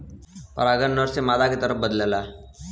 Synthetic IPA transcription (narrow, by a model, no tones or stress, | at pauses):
pə̰ɾəɡəɾnəɾsemaːd̪aket̪əɾəp̚bəd̪lelaː